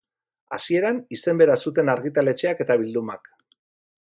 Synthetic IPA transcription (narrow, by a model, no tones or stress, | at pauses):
asie̞ɾanise̞mbe̞ɾasut̪e̞naɾɣit̪ale̞t͡ʃe̞ake̞t̪aβ̞ild̪uma̰k